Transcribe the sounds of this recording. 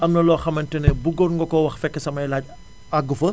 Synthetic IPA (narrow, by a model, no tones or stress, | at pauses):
ʔɐmnɐlɔːxɐmɐntɛnɛbuɡɔrŋɡɔkɔwɐxfɛkːɐsɐmɐjlaːc̚ | aɡːufɐ